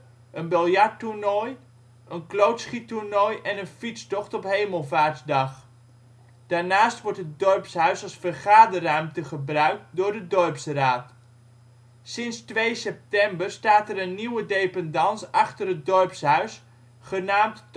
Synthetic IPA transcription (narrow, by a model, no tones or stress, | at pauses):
ʔənbɪlˠjaɹturnɔj | ʔənklowtsχiturnojʔɛnənfistɔχtɔpɦejməlˠvaːɹtdɑχ | d̥aːɹnaːstʋɔɹtɦət̚dɔrpsɦœɥsɑsfərχaːdərœɥmtəχəbrœɥk̚t̚dʊːɹdədɔrpsraːt | sɪnstʋejsɛp̚tɛmbərstaːtɛrənːiwədejpɛndɑnsɑχtərɦət̚dɔrpsɦœɥs | χənaːmt